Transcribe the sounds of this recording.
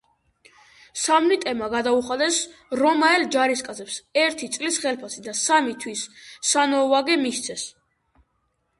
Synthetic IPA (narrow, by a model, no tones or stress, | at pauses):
samnit̪ʼɛmaɡad̪auχad̪ɛsɾɔmaɛld͡ʒaɾiskʼazɛpsɛɾt̪ʰit̪sʼlisχɛlpʰasid̪asamit̪ʰwisːanɔvaɡɛmiʃt̪sʰɛs